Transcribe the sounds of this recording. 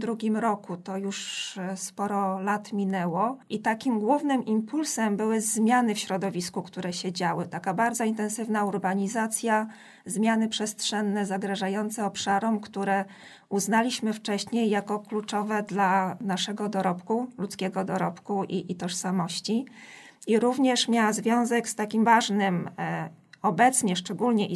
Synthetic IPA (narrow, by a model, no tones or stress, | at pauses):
d̪ɾuɡʲimɾɔkut̪ɔjuʂspɔɾɔlat̪mʲinɛwɔʔit̪akʲimɡwuvnɘmʔimpulsɛmbɘwɘzmʲjanɘfɕɾɔd̪ɔvʲiskukt̪uɾɛɕɛd͡ʑawɘt̪akabaɾd̪zɔint̪ɛnsɘvnauɾbaɲizat̪sʲja | zmʲjanɘpʂɛstʂɛnːɛzaɡɾaʐajɔnt̪sɛɔpʂaɾɔmkt̪uɾɛ | uznalʲiɕmɘft͡ʂɛɕɲejːakɔklut͡ʂɔvɛd̪lanaʂɛɡɔd̪ɔɾɔpkulut̪skʲɛɡɔd̪ɔɾɔpkuʔiːt̪ɔʂsamɔɕt͡ɕi | iɾuvɲɛʂmʲjawazvʲjɔ̃w̃zɛkst̪akʲimvaʐnɘm | ɔbɛt̪sɲɛʂt͡ʂɛɡulɲɛʔi